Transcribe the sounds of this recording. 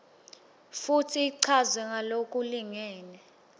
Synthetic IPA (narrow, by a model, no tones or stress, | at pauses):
futʰiːǀʰazwɛŋʱalokʼuliŋɛːnɛ